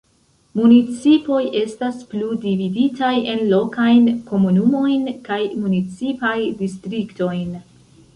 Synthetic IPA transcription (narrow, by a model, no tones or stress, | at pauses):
munit͡sipo̞jʔe̞staspludividitaje̞nlo̞kajnko̞munumo̞jnkajmunit͡sipajdistɾikto̞jn